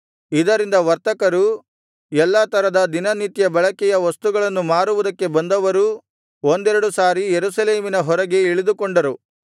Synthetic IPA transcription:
id̪ɐɾind̪ɐʋɐɾt̪ɐkɐɾu | ɛlːaːt̪ɐɾɐd̪ɐd̪inɐnit̪jɐbɐɭɐkɛjɐʋɐst̪uɡɐɭɐnːumaːɾuʋud̪ɐkːe̞bɐnd̪ɐʋɐɾu | o̞nd̪ɛɾɐɽusaːɾijeɾusɐleːminɐɦɔɾɐɡe̞iɭid̪ukoɳɖɐɾu

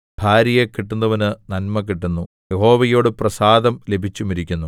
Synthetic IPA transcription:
b̥ʱaːɾjɐjekiʈːunːɐʋɐnɨnɐlmɐk̬ːiʈːunːu | jeho̞ːʋɐjo̞ːɽɨprɐsaːd̪ɐmle̞bʱit͡ɕːumiɾikʲːunːu

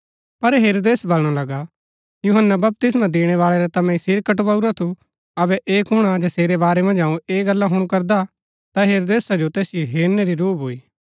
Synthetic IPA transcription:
pɐɾɦeːɾoːd̪eːsbɐlɽ̃alɐɡa | juɦənːabɐp̚t̪ɪsmãd̪eːɽ̃ɛʋaːɭɛɾɛt̪ɐmɛ̃isɪɾkəʈʋɐuɾat̪ʰu | ɐbɛʔeːkɦʊɽ̃ad͡ʒaseːɾebaːɾɛmɐ̃nd͡ʒãːũeːɡɐlːãɦʊɽ̃kɐɾd̪a | t̪aɦeːɾoːd̪eːsad͡ʒot̪eːsɪjoɦeːɾnɛɾiɾuːbʱoːiː

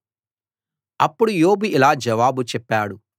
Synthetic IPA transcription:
ɐpːuɽujoːbiilaːd͡ʒɐʋaːbut͡ʃɛpːaːɽu

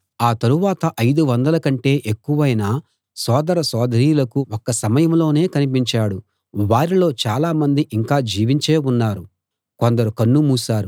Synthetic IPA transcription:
aːt̪ɐɾuʋaːt̪ɐʔɐjd̪uʋɐnd̪ɐlɐkɐɳʈe̞ːʔekːuʋɐjnaː | sɔːd̪ɐɾɐsɔːd̪ʱɐɾiːulɐkuɔkːɐsɐmɐjɐmlo̞ːne̞ːkɐnip̬iɲt͡ʃaːɽu | ʋaːɾilo̞ːt͡ʃaːlaːmɐnd̪iʔiŋkaːd͡ʒiːʋiɲt͡ʃeːunːaːɾu | kond̪ɐɾukɐnːumuːsaːɾu

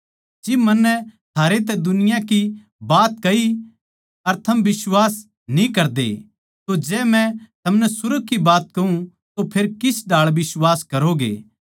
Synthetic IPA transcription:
d͡ʒimɐnːɛt̪ʰaːɾet̪̬ɛd̪ʊnɪjãki | baːt̪̚kɐi | ɐɾt̪ʰɐmʋɪswaːs | nĩkɐɾd̪ḛ | t̪od͡ʒɛːmɛ̃t̪ʰɐmnɛsʊɾəɡ̚kːibaːt̪̚kɐũ | t̪opʰeːɾkɪsɖʱaːɭbɪswaːskɐɾoɡḛː

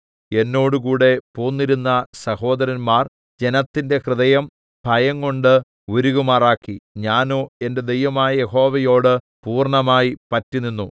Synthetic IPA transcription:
e̞nːo̞ːɽukuːɽe̞poːnːiɾunːɐsɐho̞ːd̪ɐɾɐnmaːr | d͡ʑe̞nɐt̪ːinde̞krɨðɐjɐm | b̥ʱɐjɐŋko̞ɳɖɨ | uɾuɣumaːraːkːiɲaːnoːe̞nde̞d̪ejʋɐmaːjɐje̞ho̞ːʋɐjo̞ːɽɨ | puːrɳɐmaːjipɐtːunːinːu

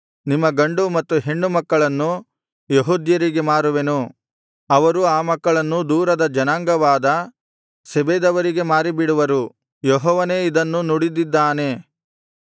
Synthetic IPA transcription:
nimːɐɡɐɳɖumɐt̪ːuɦe̞ɳːumɐkːɐɭɐnːu | jeɦuːd̪jɐɾiɡe̞maːɾuʋenu | ɐʋɐɾuaːmɐkːɐɭɐnːud̪uːɾɐd̪ɐd͡ʒɐnaːŋɡɐʋaːd̪ɐ | sebeːd̪ɐʋɐɾiɡe̞maːɾibiɽuʋɐɾu | jɔɦɔːʋɐneːid̪ɐnːunuɽid̪id̪ːaːne̞

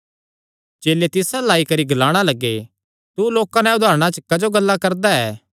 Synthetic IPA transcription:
d͡ʒeːlet̪ɪsalaːikɐɾiɡʱɐlaːɽ̃alɐɡːḛ | t̪uloːkãnɛ̃ʊd̪ʱaːɾəɽ̃at͡ʃəkɐd͡ʒoɡɐlːakɐɾd̪aɛː

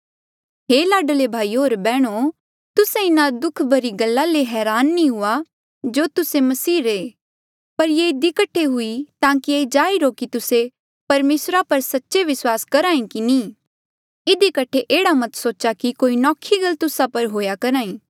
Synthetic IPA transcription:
ɦeːlaːɖəlebʱaːiːɦoːɾbɛːɽ̃o | t̪ʊsẽɪnad̪ʊkʰbʱɐɾiɡɐlːaleɦɛːɾaːnːĩɦʊa | d͡ʒoːt̪ʊsemɐsiːɾe | pɐɾjeɪd̪ikɐʈʰeɦʊit̪ãːkied͡ʒaːiɾokit̪ʊse | pɐɾmeːsɾapɐɾsɐtːʃeʋɪswaːskɐɾaːĩkinĩː | ɪd̪ikɐʈʰeʔeːɽamɐt̪soːt͡ʃakikoːinɔːkʰːiɡɐlt̪ʊsapɐɾɦoːjakɐɾaːĩː

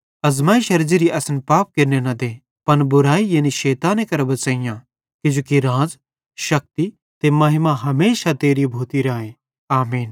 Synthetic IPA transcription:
ɐzmaːiʃɐɾd͡ʒiɾiʔɐsnpaːp̚keɾnenɐd̪eː | pɐnbʊɾaːijɐːniʃeːt̪ãːnẽkɐɾbɐt͡ʃaːijã | kɪd͡ʒoːkiɾãːd͡z | ʃɐk̚t̪i | t̪emɐɦɪmaɦɐmeːʃat̪eːɾibʱoːt̪iɾaːẽ | aːmiːn

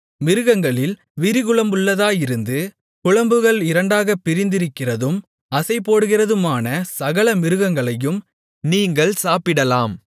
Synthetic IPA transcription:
mɪɾɯɣɐŋɡɐɭɪl | ʋɪɾɪɣɯɭɐmʊɭːɐðaːjɪɾɯnd̪ɯ | kʊɭɐmbɯɣɐɭɪɾɐɳɖaːɣɐpːɪɾɪnd̪ɪɾɯkːɪrɐðɯm | ɐsɐɪpːoːɽɯɣɪrɐðɯmaːnɐsɐɣɐɭɐmɪɾɯɣɐŋɡɐɭɐjɯm | niːŋɡɐɭsaːpɪɽɐlaːm

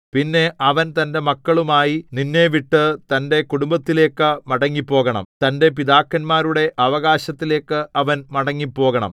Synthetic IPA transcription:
pinːe̞ɐʋɐnt̪ɐnde̞mɐkːɐɭumaːjininːe̞ːʋiʈːɨt̪ɐnde̞kuɽumbɐt̪ːile̞ːkːɨmɐɽɐŋːipːo̞ːɣɐɳɐ̰mt̪ɐnde̞p̬iðaːkːɐnmaːɾuɽe̞ʔɐʋɐɣaːɕɐt̪ːile̞ːkːɨʔɐʋɐnmɐɽɐŋːipːo̞ːɣɐɳɐ̰m

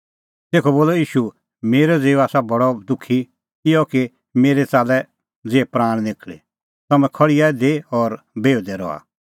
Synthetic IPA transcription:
t̪eːkʰɔboːlɔjiːʃu | meːɾɔd͡zeːuaːsabɐɽɔd̪ʊkʰi | ɪjɔki | meːɾet͡saːlɛ | d͡zeːɛpɾaːɽ̃d̪eːkʰɭḛ | t̪ɐmɛ̃kʰɔɽijad̪eɔɾ | beːud̪ɛɾɔ̰a̰

